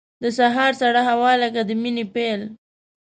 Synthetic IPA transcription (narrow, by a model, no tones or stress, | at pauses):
d̪əsaɦɑɾsaɽaɦawɑlakad̪əminepel